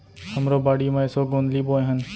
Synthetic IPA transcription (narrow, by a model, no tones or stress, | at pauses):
həmɾoːbaːɽiːmãːɪsoːɡõːnd̪liːɓoːẽɦənɪ̆